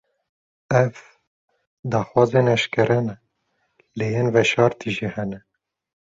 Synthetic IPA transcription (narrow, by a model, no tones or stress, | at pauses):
ɛv | d̪ɑːxwɑːzenɛʃkɨɾɛnɛ | lejeːnvɛʃɑːɾt̪ʰiʒihɛnɛ